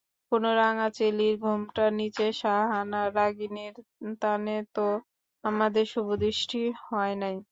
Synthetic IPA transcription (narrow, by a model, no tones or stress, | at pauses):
konoɾaŋat͡ɕeliɾɡʱumʈanit͡ɕeʃaɦanaɾaɡineɾt̪anet̪o | amad̪eɾʃubod̪iʃʈihɔenaj